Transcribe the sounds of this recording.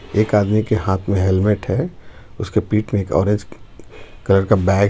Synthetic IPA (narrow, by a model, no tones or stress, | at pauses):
eːkaːd̪mikehaːt̪ʰmẽɦɛlmeʈɦɛː | ʊskepiːʈmẽeːkɔ̰ːɾẽɲd͡ʒ | kɐləɾkabɛːɡ